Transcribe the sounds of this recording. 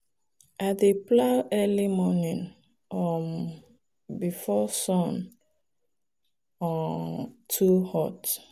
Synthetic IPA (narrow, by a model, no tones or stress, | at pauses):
ʔadeplawʔɛlimɔnĩn | ɔm | bifɔsɔ̃n | ɔ | tʰuhɔt